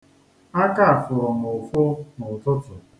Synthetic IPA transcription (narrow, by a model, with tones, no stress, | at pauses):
a˦ka˦a˨fʊ˨ɾɔ˨mo˨fʊ˦nʊ˨tʊ˦tʊ˨